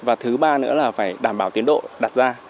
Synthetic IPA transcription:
vaː˨˩t̪ʰɨ˨˦ɓaː˧nɨ̰˧˥əlaː˨˩faː˧˩jɗaː˧˩mɓaː˧˩wt̪i˨˦ənɗo̰˧˨ɗaː˨˩t̚zaː˧

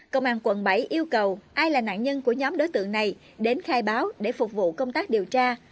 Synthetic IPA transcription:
kə̰˧˨wŋ͡mʔaː˨˩ŋkwə̰˧˩nɓə˧˩jʔi˧əwkə˨˩wʔaː˧jlaː˨˩na̰ː˧˨nɲə˧nku˧˩əɲɔ˨˦mɗo˨˦jt̪ɨ̰˧˨ŋna˨˩j | ɗe˨˦nxaː˧jɓaː˨˦wɗe˧˩fʊ˨˩k͡p̚vṵ˧˨kə˧wŋ͡mt̪aː˦˥k̚ɗi˨˩əwt͡ɕaː˧

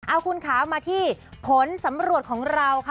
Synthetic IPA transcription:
ʔa˧wkʰu˧nkʰaː˩˦wmaː˧t̪ʰiː˥˩pʰo˩˦nsa˩˦mɾu˨˩ət̪̚kʰɔː˩˦ŋɾa˧wkʰ

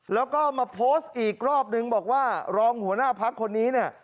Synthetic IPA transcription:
lɛː˦˥wkɔː˥˩maː˧pʰoː˦˥st̪̚ʔiː˨˩k̚ɾɔː˥˩p̚nɯ˧ŋbɔː˨˩k̚waː˥˩ɾɔː˧ŋhu˩˦ənaː˥˩pʰa˦˥kʰːo˧nːiː˦˥ni˥˩ɐ

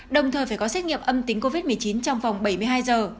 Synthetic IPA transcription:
ɗə˨˩wŋ͡mt̪ʰəː˨˩jfaː˧˩jkɔ˨˦sɛ˦˥t̚ŋḭ˧˨əmʔə˧mt̪ï˨˦ŋko˧vi˦˥t̚mɨ˨˩əjt͡ɕi˨˦nt͡ɕɔ˧wŋ͡mva˨˩wŋ͡mɓə˧˩jmɨ˧əjɦaː˧jzəː˨˩

